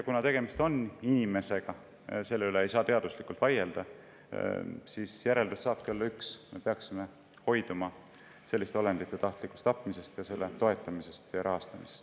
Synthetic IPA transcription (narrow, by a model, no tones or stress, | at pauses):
jɑkunɑt̪e̞ɡ̥e̞mist̪o̞ninʲime̞se̞ɡ̥ɑ | se̞lːeyle̞ejsɑːt̪e̞ɑd̪̥uslikːˑult̪vɑje̞ld̪ɑ | sisjæɾe̞ld̪usːɑːb̥̚kiolːɑyksme̞pe̞ɑksime̞ | ho̞jd̪umɑ | se̞lːist̪eolend̪̥it̪ˑːe̞t̪ɑht̪likˑːust̪ɑpːˑmise̞st̪jɑse̞lːet̪o̞e̞t̪ːˑɑmisest̪jɑɾʔɑɦɑst̪ɑmisest̪